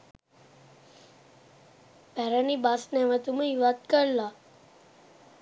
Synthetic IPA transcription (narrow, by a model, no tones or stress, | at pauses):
pæɾənibasnɛʋat̪uməiʋat̪kəɾla